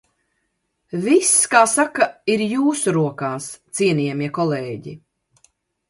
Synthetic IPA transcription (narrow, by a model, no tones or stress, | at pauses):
viskaːsakaiɾjuːsuɾuɔkaːst̪siɛniɛmiɛkɔleːɟḭ